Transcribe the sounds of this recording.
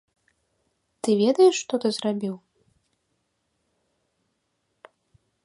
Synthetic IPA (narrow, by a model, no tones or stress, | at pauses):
t̪ɨvʲɛd̪ɐjɛʂːt̪ɔt̪ɨzrabʲiw